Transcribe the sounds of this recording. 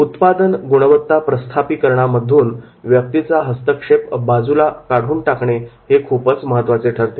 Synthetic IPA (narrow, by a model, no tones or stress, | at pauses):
ut̪pad̪ənɡoɽ̃əʋət̪ːapɾəst̪ʰapiːkəɾɳaməd̪ʱːuːn | ʋjək̚t̪it͡saɦəst̪əkʂepbad͡zulakaɽ̤uːnʈakɳehekʰupət͡sməɦət̪ːʋat͡seʈʰəɾt̪e